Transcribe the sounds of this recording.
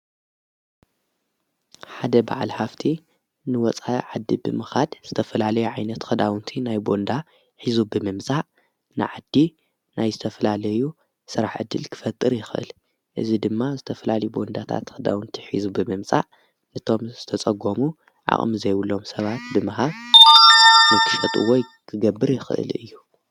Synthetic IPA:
ħad̪ɐba̰ʕalhaft̪ʰi | nɨwɔt͡sʼaʕad̪ːibɨmɨxad̪z̥ɨt̪ʰɐfɐlalɐjuʕajnɐt̪xɨd̪awɨnt̪ʰinajbo̞nd̪a | ħizubɨmɨmsʼaʕ | nɨ̰ʕad̪ːi | nʔajzɨt̪ʰɐfɐlalɐju | sɨɾaħʕɨ̰d̪ːɨlkʰɨ̥fɐt̪ʼːɨɾjɪxʔɨ̰l | ʔɨzid̪ɨmːazɨt̪ʰɐfɐlalɐjubo̞nd̪at̪ʰa̰t̪xɨd̪a̰wɨnt̪ʰiħizubɨmɨmt͡sʼaʔ | nɨt̪ʰo̞mzɨt̪ʰɐt͡sʼɐɡomu | ʕa̰χʼmizɐjwulːo̞msɐβat̪̚bɨmɨhaβ | nɨkʰɨfɐt̪ʼṵwɔj | kʰɨɡɐbːɨɾjɪxɨʔɨ̰lɨ̰jːu

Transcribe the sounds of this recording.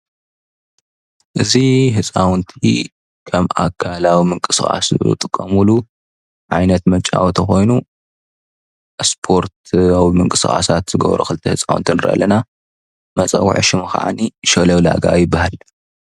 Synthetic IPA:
ʔɨziɦɨt͡sʼawnt̪ʰi | kʰɐma̰kʰːalawimɨŋkʼɨsɨxʼa̰sɨ̰t̪ʼɨkʼːɐmulu | ʕajnɐt̪mɐt͡ʃʼawt̪ʰɐxo̞jnu | spʰoɾt̪awimɨŋkʼɨsɨxʼa̰sat̪z̥ɨɡɐ̰βɾṵxɨlɨt̪ʰɐhɨt͡sʼawnt̪ʰinɨɾɐʔɐ̰lɐna | mɐt͡sʼɐ̰w̰ʕɨʃɪmɨxa̰ʕa̰niʃolɐwla̰ɡa̰jɪbːahal

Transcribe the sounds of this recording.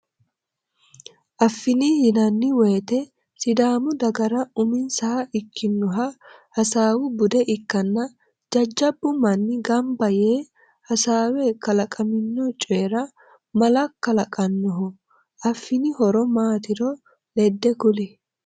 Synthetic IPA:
ʔɐfːɪnɪhɪnɐnːɪweːt̪ɛ | sɪd̪aːmʊd̪ɐɡɐɾɐʊmɪnsɐhɐʔɪkʰːɪnːɔɦɐhɐsaːwʊbʊd̪ɛʔɪkːɐnːɐ | d͡ʒɐd͡ʒːɐbːʊmɐnːɪɡɐmbɐjeː | hɐsaːwɛkɐlɐkʼɐmɪnːɔt͡ʃʼeːɾɐ | mɐlɐkːɐlɐkʼɐnːɔɦɔ | ʔɐfːɪnɪhɔɾɔmaːt̪ɪɾɔ | lɛd̪ːɛkʊlɛ

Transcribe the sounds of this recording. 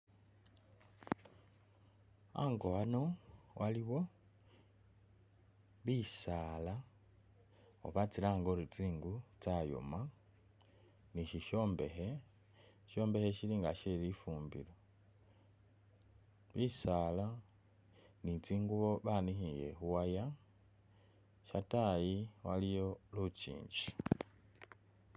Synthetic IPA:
a̰ŋɡoanowʔaliβo̞ | βisala | o̰βat͡silaːŋɡoɾut͡siːŋɡut͡sajo̰ma | niʃiʃoːmbehe | ʃo̞ːmbe̞heʃiliŋɡa̰ʃelifuːmbḭlo | βisaːla | nit͡siːŋɡuβo̞βanihijḛxuwaja | ʃatajiwalijolucḭːɲɟi

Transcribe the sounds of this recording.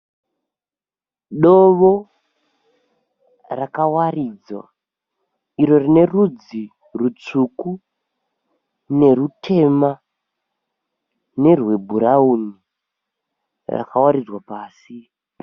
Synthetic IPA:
ɗoʋo | rakawarid͡zwa̰ | iro̞rine̞rud͡zi | rut͡suku | ne̞rutʰe̞ma | ne̞rwe̞bʱuɾauni | ra̰kawaɾid͡zwapaːsi

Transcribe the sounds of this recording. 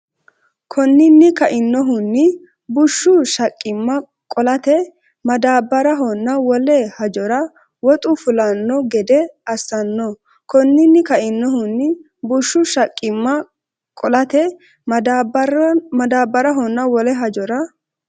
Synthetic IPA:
kʰɔnːɪnːɪkɐʔɪnːɔɦʊnːɪ | bʊʃːʊʃɐkʼːɪmːɐ | kʼɔlɐt̪ɛ | mɐd̪aːbːɐɾɐɦɔnːɐwɔlɛhɐd͡ʒɔɾɐ | wɔt̪ʼʊfʊlɐnːɔɡɛd̪ɛɐsːɐnːɔ | kɔnːɪnːɪkɐʔɪnːɔɦʊnːɪ | bʊʃːʊʃɐkʼːɪmːɐ | kʼɔlɐt̪ɛ | mɐd̪aːbːɐɾɐɦɔnːɐwɔlɛɦɐd͡ʒɔɾɐ

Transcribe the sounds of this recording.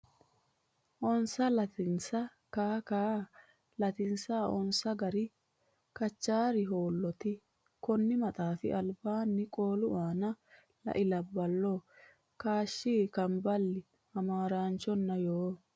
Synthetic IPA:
ʔɔnsɐlɐt̪ɪnsɐ | kaːkaː | lɐt̪ɪnsaːɔnsɐɡɐɾɪ | kɐt͡ʃːaːɾɪɦoːlːɔt̪ɪ | kɔnːɪmɐt̪ʼaːfɪ̰ʔɐlbaːnːɪkʼoːlʊʔaːnɐ | lɐ̰ʔɪlɐbːɐlːɔ | kaːʃːiːkɐmbɐlːɪ | ɐmaːɾaːnt͡ʃːɔnːɐjoː

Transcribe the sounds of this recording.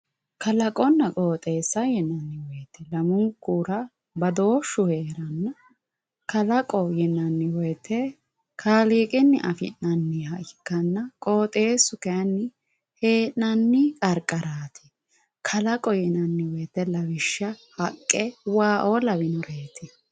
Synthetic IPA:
kʰɐlɐkʼɔnːɐkʼoːt̪ʼe̞ːsːɐjɛnːɐnːɪwɔjt̪ːɛlɐmʊŋkʼːuːɾɐ | bɐd̪o̞ːʃːʊhe̞ːɾɐnːɐ | kɐlɐkʼɔjɛnɐnːɪwɔjt̪ːɛ | kʰaːliːkʼɪnːɪʔɐfɪ̰nnɐnːɪhɐɪkːɐnːɐkʼo̞ːt̪ʼe̞ːsʊkɛɐnːɪ | he̞ːnnɐnːɪkʼɐɾkʼːɐɾaːt̪ʰɛ̥ | kʰɐlɐkʼɔjɛnɐnːɪwɔjt̪ːɛlɐwɪʃːɐhɐkʼːɛwaːʔoːlɐbɪnɔɾeːt̪ʰɛ

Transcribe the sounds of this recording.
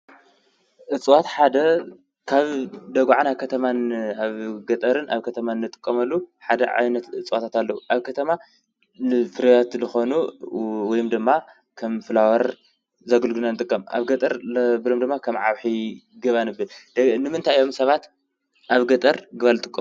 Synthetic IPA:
ʔɨt͡sʼwat̪ħad̪ɐ | kʰaβd̪ɐɡʷʕanakʰɐt̪ʰɐmanaβɡɐt̪ʼɐɾɨnʔa̰βkʰɐt̪ʰɐmanːɨt̪ʼɨ̥kʼːɐmɐlːuħad̪ɐ̰ʕa̰jnɐt̪ɨt͡sʼwat̪ʰat̪alːɐwuʔaβkʰɐt̪ʰɐma | fɨɾɐjat̪lɨxo̞nuwɔjumd̪ɨmːa | kʰɐmfɨlawɐɾ | zɐɡɨlɡɨnanɨt̪ʼɨkʼːɐma̰βɡɐt̪ʼɐɾbɨlo̞md̪ɨmːakʰɐmʕawħiɡɨβanɨbɨlnɨmɨnt̪ʰajo̞msɐβat̪ | ʔaβɡɐt̪ʼɐɾɡɨβalɨt̪ʼɨkʼːɐm

